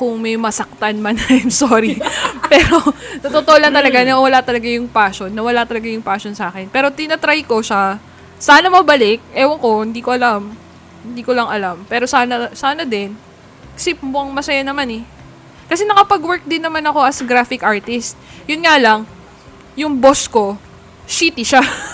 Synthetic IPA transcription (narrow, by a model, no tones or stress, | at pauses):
kʊŋmɛjmɐsɐk̚t̪anmanɐajmsoːɾipɛːɾo̞t̪ɐt̪ot̪oʔolɐŋt̪ɐlɐɡanɐwɐlat̪ɐlɐɡajʊŋpaːʃonːɐwɐlat̪ɐlɐɡajʊŋpaːʃonsaːkɛnpɛːɾo̞t̪ɪnɐt̪ɾajko̞ʃa | saːnɐmɐbɐlɪk̚ʔɛwɐŋko̞hɪnd̪iːkoʔɐlam | hɪnd̪iːkolɐŋɐlampɛːɾo̞saːnɐsaːnɐd̪ɪn | ksɪp̚moʔɐŋmɐsɐjanɐmanɛ | kɐsɛnɐkɐpɐɡwɛɹk̚d̪ɪnːɐmanɐko̞ʔɐsɡɾaːfɪkʔaɹt̪ɪst̪̚jʊnŋaːlɐŋ | jʊŋbo̞sko̞ | ʃiːt̪ɪʃa